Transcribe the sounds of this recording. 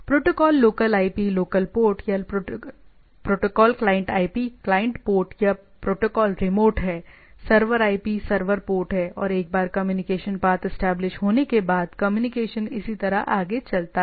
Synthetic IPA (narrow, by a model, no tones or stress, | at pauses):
pɾoːʈokɔːlːoːkəlaːipiloːkəlpoːʈja | pɾoːʈoːkɔːlklaːɪə̃ɳʈaːipiklaːə̃ɳʈpoːɾʈja | pɾoːʈokɔːlɾɪmoːʈɦɛː | sɐɾʋəɾaːipisɐɾʋəɾpoːɾʈɦɛʔɔːɾeːk̚baːɾkɐmjuːnɪkeːʃənbaːt̪ɪsʈɛːblɪʃɦoːnekebaːd̪kɐmjuːnɪkeːʃənɪsit̪ɐɾaʔaːɡet͡ʃɐlt̪a